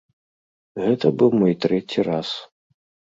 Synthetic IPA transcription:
ɣɛt̪ɐbɨwmɔjt̪ɾɛt͡sʲiras

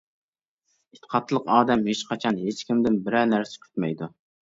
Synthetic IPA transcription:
it̪ʰːə̥qʰɑt̪ʰːlˠəqɑːd̪ɛmhet͡ʃqʰɑt͡ʃʰɑnɦet͡ʃkʲimd̪ɪnbɪɾɛnæɾsɪ̥kʲʰy̥t̪mɛjd̪u

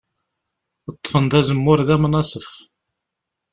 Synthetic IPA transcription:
ət̪ˤːə̥fənd̪ˤæzəmːʊɾðæmnɑsˤəf

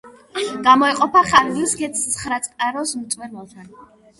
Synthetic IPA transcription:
ɡ̥amɔɛqʼɔpʰaχaɾlisɡɛt̪sʰχɾat̪sʼqʼaɾɔsmt̪sʼwɛɾmɛlˠt̪ʰan

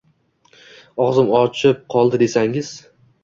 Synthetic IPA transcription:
ɒzɪmɒt͡ʃʰɪp̚qʰɒlˠd̪ɪd̪e̞saŋɪz̥

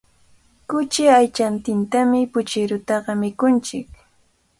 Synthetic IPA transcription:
kʊt͡ʃɪajt͡ʃant̪ɪnt̪amɪpʊt͡ʃɪɾʊt̪ɑɢɑmɪkʊnt͡ʃɪk

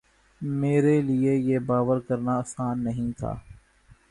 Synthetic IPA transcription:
meːɾeliejebaːʋəɾkɐɾnaɐːsaːnːɐɦĩt̪ʰa̰ː

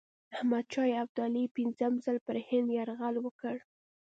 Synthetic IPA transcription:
ahmad̪̚t͡ʃɑjab̚d̪alipinzəmzəlpəɾhɪnd̪jaɾɣalwəkəɽ

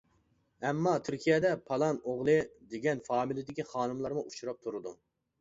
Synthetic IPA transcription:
ɛmːɑt̪ʰyɾkʲʰijɛd̪ɛpʰɑlˠɑnoʁlˠɨd̪eɡʲɛnfɑːmilɪd̪ɪkʲiχɑːnɨmlˠɑɾmuʔut͡ʃuɾɑp̚t̪ʰuɾɨd̪u

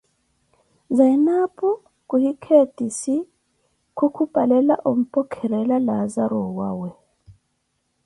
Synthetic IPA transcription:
zainapʰʼɔ | kʼuhikʰetʼisi | kʰukʰub̥ʱalɛlaʔom̩pʼɔkʰɛɾɛlalazaɾɔwaːwɛ

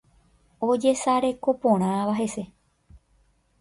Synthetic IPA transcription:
o̞d͡ʒe̞saɾe̞ko̞põɾ̃ãʋaɦe̞se̞

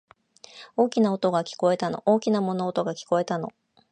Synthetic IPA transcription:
o̞ːkʲinaot̪o̞ɡakʲi̥ko̞e̞t̪ano̞̰ʔoːkʲinamo̞noːt̪o̞ɡakʲi̥ko̞e̞t̪ano̞̰

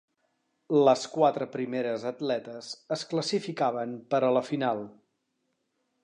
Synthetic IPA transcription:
ləskwat̪ɾəpɾimeɾəzət̪lɛt̪əzəskləsifikaβəmpəɾələfinalˠ

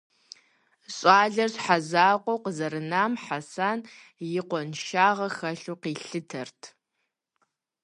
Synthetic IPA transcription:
ɕʼaːɮɐrsħazaːqʷʼɔwqəzɐɾɨnaːmħasaːn | jɪqʷɔnʃaːʁɐxɐɬuːqiːɬɨtʰɐrtʰ

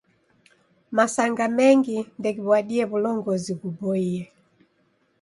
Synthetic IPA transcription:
masaŋɡamɛŋɡindɛkiβwaɗiɛβulɔŋɡɔziɡubɔiɛ

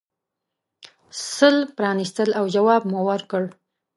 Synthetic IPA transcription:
səlpɾɑnist̪əlawd͡ʒawɑb̚muwəɾkəɽ

